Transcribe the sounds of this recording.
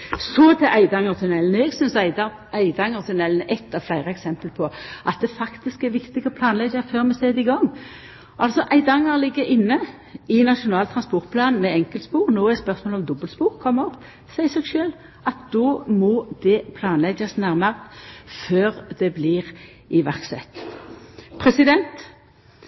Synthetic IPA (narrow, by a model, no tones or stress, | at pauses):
sɔt̪ʰɛʔæɪd̪ɑŋəʁt̪ʰʉnɛlnəɛːɡsʏnsæɪd̪ɑ | æɪd̪ɑŋəʁt̪ʰʉnɛlnəʔɛt̪ʰːɑʋflæɪʁəɛksɛmpəlpʰɔʔɑt̪̚d̪ɛfɑkt̪ɪskɛʋɪkt̪ɪɡɔpʰlɑːnlɛɡəʁføːʁmɛseːd̪ɪɡɔŋː | ʔɑlsɔʔæɪd̪ɑŋːəʁlɪɡːəɾɪnːə | ɪnɑʃʊnɑːlt̪ʰʁɑnspɔʁt̪̚pʰlɑːn̩mɛɛŋkəlt̪spuːʁnoːæspœʁsmoːlɔmd̪ɔbəlspuːʁkʰɔmːɔp | sæɪsɛɡʃøːl | ɑt̪̚d̪̥ɔːmɔd̪ɛpʰlɑːnlɛɡəsnæʁməʁføːʁd̪ɛbliːʁ | ɪʋæʁksɛ̰t̪ | pʰʁɛsɪd̪ɛnt̪